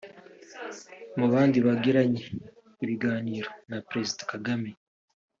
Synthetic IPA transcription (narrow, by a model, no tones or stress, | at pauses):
muβaːndiβaɡeɾaɲe | iβiɡaːniːɾonapɾe̞zidḁkaɡame